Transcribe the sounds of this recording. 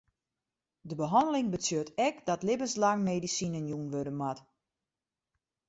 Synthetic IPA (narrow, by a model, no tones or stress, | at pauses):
dəbəɦɔndəlɪŋbəsjøtɛkdɔtlɪbənslaŋmeːdisinənjunʋødənmat